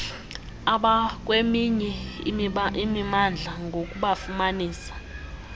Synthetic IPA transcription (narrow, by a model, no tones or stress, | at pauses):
aɓak̬ʼwemiɲɛ | imimand͡ɮʱaŋɡʱok̬ʼuɓafumaniːsḁ